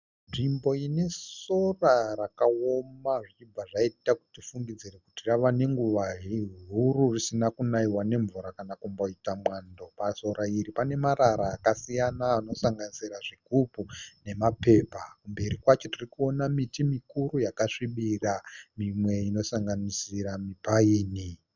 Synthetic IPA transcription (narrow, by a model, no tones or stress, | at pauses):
nʐimbo̞ine̞sso̞rarakaomaʐit͡ʃib͡vaʐaitaku̥tifuŋɡid͡zirekutiraʋane̞ŋɡuʋaɦiɦuɾurisinakunaiwane̞ɱvuɾakanakumbo̞itamwaːndo̞paso̞ɾaiɾipane̞maɾaɾaːkasijanaːno̞saŋɡanisiɾaʐiɡʱupune̞mape̞ːpakumbe̞ɾikwat͡ʃo̞tirikuo̞namitimikuɾujakaʂiɓiramimwe̞ino̞saŋɡanisiɾamipaiːni